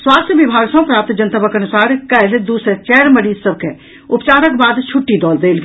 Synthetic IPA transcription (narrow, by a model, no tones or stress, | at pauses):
swaːst̪ʰjəʋɪbʱaːɡsõpɾaːp̚t̪d͡ʒɐnt̪əbəkɐnʊsaːɾkɐld̪uːsɾet͡ʃɛːɾmɐɾiːzsɐb̚kʰe | ʊpt͡ʃaːɾəkbaːd̪t͡ʃʰʊʈːid̪ɔːld̪eːlɡ